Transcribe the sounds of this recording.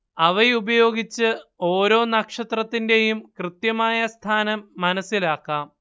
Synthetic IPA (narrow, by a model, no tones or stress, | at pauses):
ɐʋɐjubɐjo̞ːɡit͡ɕːɨo̞ːɾo̞ːnɐkʂɐt̪rɐt̪ːinde̞jumkrɨt̪jɐmaːjɐst̪ʰaːnɐmːɐnɐsːilaːkːaːm